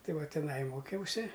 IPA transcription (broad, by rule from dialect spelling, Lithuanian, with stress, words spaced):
ˈtɐɪ ˈʋɐ tʲɪˈnɐɪ ˈmoːkʲɛʊsʲɪ